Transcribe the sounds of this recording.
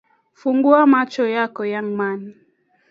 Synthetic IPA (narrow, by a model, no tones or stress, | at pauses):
fuŋɡuamat͡ʃɔjakɔjaŋmani